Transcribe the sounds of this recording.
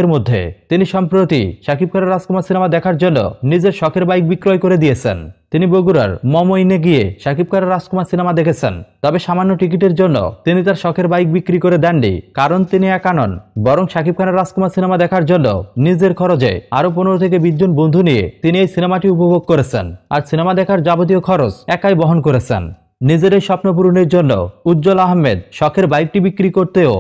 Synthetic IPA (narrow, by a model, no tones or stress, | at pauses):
eɾmod̪ʱːḛt̪iniʃɔmpɾot̪ḭʃakip̚kʰanaɾːaskʰomasinemad̪ɛkʰaɾd͡ʑonːo̰nid͡ʑeɾʃɔkʰeɾbajk̚bikːɾojkoɾed̪iet͡ɕʰḛnt̪iniboɡuɾa̰ɾmɔmojneɡieʃakip̚kʰanaɾaskʰomasinemad̪ekʰet͡ɕʰent̪ɔbeʃamanːoʈik̬iʈeɾd͡ʑonːo̰t̪init̪aɾʃɔkʰeɾbajk̚bikɾikoɾed̪ɛnɖḭkaɾont̪iniɛkanonbɔɾoŋʃakib̚kʰaneɾːaskumasinemad̪ɛkʰaɾd͡ʑonːo̰nid͡ʑeɾkʰɔɾod͡ʑḛaɾop̬oneɾot̪ʰek̬ebid̪ːonbond̪ʱunijḛt̪iniejsinemaʈiupoboɡ̚koɾet͡ɕʰḛna̰ɾsinemad̪ɛkʰaɾd͡ʑabot̪̬iokʰɔɾot͡ɕɛkajbɔɦonkoɾet͡ɕʰḛnː | id͡ʑeɾejʃɔpnop̬uɾuneɾd͡ʑonːo̰ud̪d͡ʑolaɦmed̪ʃɔkʰeɾbajk̚ʈibikːɾikoɾt̪eo